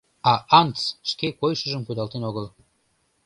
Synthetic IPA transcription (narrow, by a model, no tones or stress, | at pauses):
ɑʔɑnt̪sʃkekojʃəʒəmkujd̪ɑlt̪enoɣəl